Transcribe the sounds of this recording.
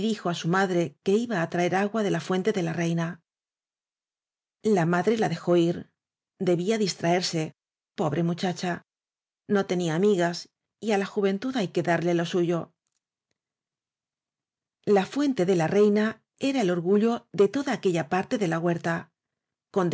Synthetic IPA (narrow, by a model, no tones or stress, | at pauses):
ðixo̞asumaðɾe̞ke̞iβaːt̪ɾae̞ɾaɣwaðe̞lafwe̞nt̪e̞ðe̞lare̞jna | lamaðɾe̞laðe̞xo̞iɾ | d̪e̞βiaðist̪ɾae̞ɾse̞ | po̞βɾe̞mut͡ʃat͡ʃa | no̞t̪e̞niaːmiɣas | ialaxuβe̞nt̪uðajke̞ðaɾle̞lo̞suʝo̞ | lafwe̞nt̪e̞ðe̞lare̞jna | e̞ɾae̞lo̞ɾɣuʎo̞ðe̞t̪o̞ðaːke̞ʎapaɾt̪e̞ðe̞laɣwe̞ɾt̪a | ko̞nd̪